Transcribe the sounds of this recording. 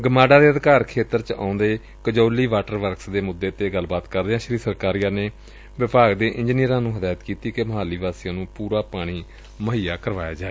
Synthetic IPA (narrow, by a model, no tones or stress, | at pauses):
ɡəmaːɖaːd̪eːəd̪kaːɾkʰeːt̪əɾt͡ʃa̰ːʊ̃nd̪eː | kəd͡ʒoːliːʋaːʈəɾʋəɾksd̪eːmʊd̪ːeːt̪eːɡəlbaːt̪kəɾd̪eːãːʃəɾiːsəɾkaːɾijaːneː | ʋɪpʰaːɡd̪eːʔɪ̃ɲd͡ʒnijəɾãːnũːɦəd̪aːjt̪kiːt̪iːkeməɦaːliːʋaːsijãːnũːpuːɾaːpaːɽ̃iː | məɦiːaːkəɾʋaːjaːd͡ʒaːeː